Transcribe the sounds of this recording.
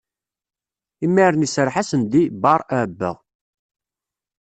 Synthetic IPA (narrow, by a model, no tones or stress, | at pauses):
imːiɾənisɾˤħasənd̪ibɑɾˤæbːə̰ʁ